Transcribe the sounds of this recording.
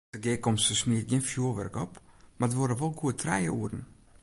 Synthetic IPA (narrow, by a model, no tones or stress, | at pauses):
dəɡɪːkɔmsəsmiət̚ɡiənfjuəʋɛ̰rkɔpmadəʋoɾəʋɔlˠɡuətʰrɛjə̰ʔuərn̩